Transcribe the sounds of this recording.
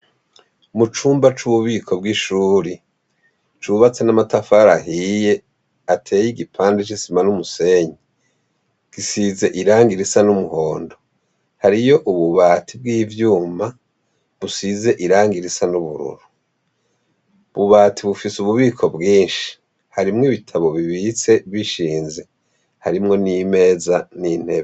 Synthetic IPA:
mut͡ʃuːmbat͡ʃuβuβiːkʰo̞b̚ɡiʃuːɾi | t͡ʃuβat͡senamatafaːɾaɦije̞ | atʰe̞ːjiɡipʰaːndet͡ʃisimanumuseɲi | ɡ̥isize̞ʔiɾaːŋɡiɾisanumuho̞ːndo̞ | haɾijo̞ʔuβuβaːtʰibɡiːvjuːma | βusize̞ʔiɾaːŋɡiɾisanuβṵɾṵɾu | βuβaːtʰiβufisuβuβiːkʰo̞bɡiːnʃi̥ | haɾimŋiβitʰaβo̞βiβit͡se̞βiʃiːnze̞ | haɾimŋo̞niːme̞ːzaniːn̥he̞βe

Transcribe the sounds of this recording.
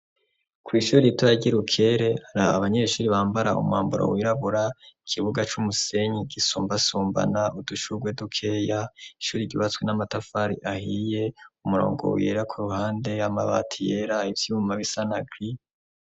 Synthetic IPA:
kʰwiːʃuːɾitwaɟiɾukʰe̞ɾe̞haɾaa̰βaɲeʃuːɾiβaːmbaɾaṵmwa̰ːmbuɾo̰wiːɾaβuɾaikʰiβuɡat͡ʃumuse̞ɲiɡisuːmbasuːmba̰nauduʃuɡwe̞dukʰe̞jaiʃuːɾiɟuβat͡swenamatafaɾḭʔahije̞umuɾo̰ːŋɡo̞̰jḛːɾakʰuɾuhaːnde̞ama̰βa̰tʰije̞ɾaivjumaβisanaɡɾi

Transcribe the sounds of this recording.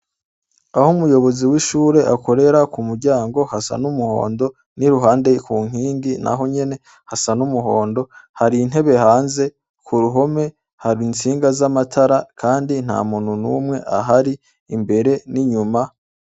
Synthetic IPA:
ahomujo̞βo̞ziwiʃuːɾe̞ʔakʰo̞ɾe̞ɾakumuɾɟaːŋɡo̞hasa̰numuho̞̰ːndo̞ | niɾuɦaːnde̞kuːŋ̥iːŋɡina̰ɦo̞ɲe̞ne̞ | hasanumuɦo̞ːndo̞haɾiːn̥ɦe̞βe̞haːnze̞ | kʰuɾuɦo̞me̞ | haɾint͡siːŋɡazamatʰaɾakʰaːndin̥ha̰ːmuːn̥unumŋe̞ʔaɦaɾiː | mbe̞ɾe̞niɲuma

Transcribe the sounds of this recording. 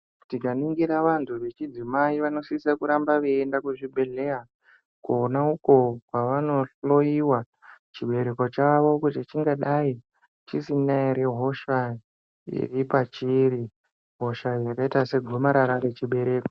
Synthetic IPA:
tikaniŋɡiɾaʋantʰuʋe̞t͡ʃid͡zimaiʋano̞sisakuɾambaʋeendakuʐibʱe̞ɮe̞ja | kuːnauko̞kwaʋano̞ɬo̞iwa | t͡ʃiɓe̞ɾe̞ko̞t͡ʃaʋo̞kutit͡ʃiŋɡaɗai | t͡ʃisinaiɾeɦo̞ʃa | ḭripat͡ʃiɾi | ɦo̞ʃajakaitase̞ɡʱomaɾaɾaɾe̞t͡ʃiɓe̞ɾe̞ːko

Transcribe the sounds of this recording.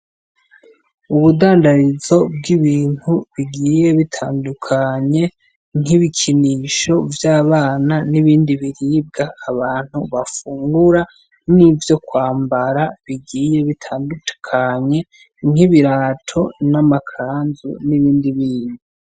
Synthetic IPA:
uβudaːndaɾizo̞b̚ɡiβiːn̥huβiɡiːje̞βitʰaːndukʰaɲe̞ | ŋ̥hiβikʰiniʃo̞vjaːβaːnaniβiːndiβiɾib̚ɡaːβaːn̥huβafuːŋɡuɾa | nivjo̞kwaːmbaɾaβiɡiːje̞βitʰaːndukʰaɲe̞ | ŋ̥hiβiɾaːtʰo̞namakʰaːnzṵniβiːndiβiːndi

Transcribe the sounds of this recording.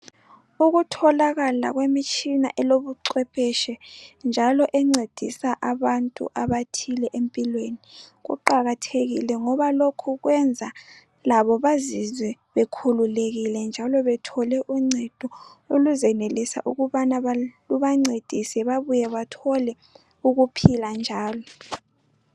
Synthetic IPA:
uɣutʰɔlaɣala̰ɣwemit͡ʃʼina̰ʔɛloβuǀwɛpʰɛʃɛnd͡ʒʱalɔʔɛŋ͡ǀed̥ʱisaʔaβantʼṵʔaβatʰilɛʔempʼilweniɣṵǃaɣatʰeɣḭlɛŋɔβalokʰuɣwɛnd͡zʱa | laβɔβazizwɛβekʰululeɣilɛnd͡ʒʱalɔβɛtʰɔlɛʔuŋ͡ǀʱed̥ʱɔoluzɛnelisa̰ʔṵɣuβanaβaluβaŋ͡ǀed̥ʱisɛβaβujɛβatʰɔlɛ | uɣupʰiland͡ʒʱaːlɔ

